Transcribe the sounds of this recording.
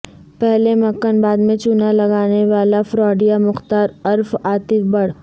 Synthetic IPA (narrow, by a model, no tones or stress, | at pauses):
pɛɦlemɐkːənbaːd̪mẽt͡ʃunalɐɡaːneʋaːlafɾɔːɖijamʊxt̪aːɾɐɾfaːt̪ɪfbɐɽ̤